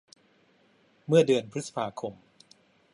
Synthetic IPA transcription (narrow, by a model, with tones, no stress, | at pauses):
mɯ˥˩ɐdɯ˧ənpʰɾɯ˦t̪̚sḁ˧pʰaː˧kʰo˧m